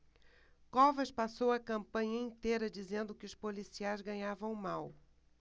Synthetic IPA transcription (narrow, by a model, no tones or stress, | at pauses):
kɔvɐʃpasowɐkɐ̃mpɐ̃ɲɐĩt̪ejɾɐd͡ʒizẽnd̪ʊkɪʊspolisiajzɡɐ̃ɲavɐ̃w̃maw